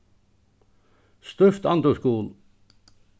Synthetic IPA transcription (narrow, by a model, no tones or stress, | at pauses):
st̪œft̪ɑnd̪ʉskuːl